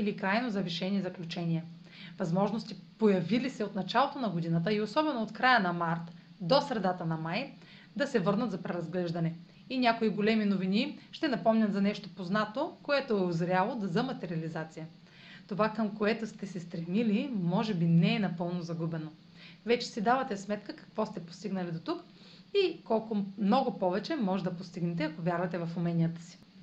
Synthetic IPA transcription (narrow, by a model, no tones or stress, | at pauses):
ilikɾajnozɐviʃɛnʲiɛzɐklʲut͡ʃɛnʲiɛ | vɐzmɔʒnost̪ipojɐvilisɛot̪nɐt͡ʃalˠot̪onɐɡod̪inət̪̬əiosɔbɛnoːt̪kɾajənɐmaɾt̪ | d̪osɾɛd̪at̪ənɐmaj | d̪ɐsɛvɤɾnɐt̪zɐpɾɛɾɐzɡlɛʒd̪ɐnɛ | inʲakoiɡolɛminoviniʃt̪ɛnɐpɔmnʲɐmzɐnɛʃt̪opoznat̪okoɛt̪oɛʊzɾʲalˠod̪ɐzɐmɐt̪ɛɾiɐlizat̪sijə | t̪ovakəmkoɛt̪ost̪ɛsɛst̪ɾɛmilimɔʒɛbinɛːnɐpɤlˠnozɐɡubɛno | vɛt͡ʃɛ̥sid̪avɐt̪ɛsmɛt̪kəkɐ̥kvɔst̪ɛpo̥st̪iɡnɐlid̪ot̪uk | ikɔlˠkʊmnɔɡʊpɔvɛt͡ʃɛmɔʒɛd̪ɐpost̪iɡnɛt̪ɛɐkovʲjaɾvɐt̪ɛvɐfʊmɛnʲijət̪ə̥si̥